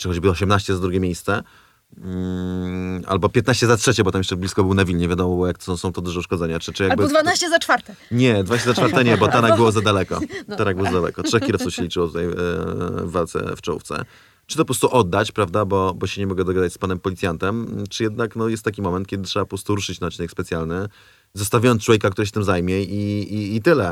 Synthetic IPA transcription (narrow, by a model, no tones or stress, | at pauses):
t͡ʂɨxɔd͡ʑbɘɔɕɛmnaɕt͡ɕɛzad̪ɾuɡʲɛmʲjejst̪sɛ | a̰lbɔpʲjɛt̪naɕt͡ɕɛzatʂɛt͡ɕɛbɔt̪amjɛʂt͡ʂɛblʲiskɔbɘwnavʲilɲɛvjad̪ɔmɔbɔjakt̪sɔ̃w̃sɔ̃w̃t̪ɔd̪uʐɛuʂkɔd̪zɛɲat͡ʂɘt͡ʂɨjaɡbd̪vanaɕt͡ɕɛzat͡ʂfaɾt̪ɛɲɛd̪vanaɕt͡ɕɛzat͡ʂfaɾt̪ɛɲɛbɔt̪aɾaɡbɘwɔzad̪alɛkɔ̰t̪aɾaɡbɨwɔzad̪alɛ̰kɔtʂɛxkʲilɔft̪sufɕɛlʲit͡ʂɘwɔt̪ut̪aj | vːalt̪sɛ̰ft͡ʂɔṵft̪sɛ̰ | t͡ʂɨt̪ɔpɔpɾɔst̪uʔɔd̪ːat͡ɕpɾavd̪abɔbɔɕɛɲɛmɔɡɛd̪ɔɡad̪at͡ɕspanɛmpɔlʲit̪sʲjant̪ɛmt͡ʂɨjɛd̪naknɔjɛst̪t̪ːakʲimɔmɛnt̪̚kʲɛd̪ɘtʂɛbapɔpɾɔst̪uɾuʂɘt͡ɕnat̪t͡ɕinɛkspɛt̪ʲjalnɘ | zɔst̪avʲajɔnt̪t͡ʂwɔvjɛkakt̪uɾɛɕɛ̥t̪ɘmzajmʲjɛiiːt̪ɘlɛ